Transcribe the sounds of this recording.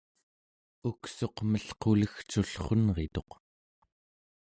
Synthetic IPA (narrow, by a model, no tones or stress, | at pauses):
ukso̞qməɬqʰuləxt͡ʃuɬχonʁet̪o̞q